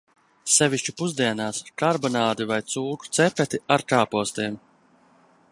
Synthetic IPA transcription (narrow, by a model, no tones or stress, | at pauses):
sɛviʃt͡ʃupuzd̪iɛnaːskaɾbɔnaːd̪ivajt̪suːku̥t̪sɛpɛt̪iaɾkaːpuɔst̪iːm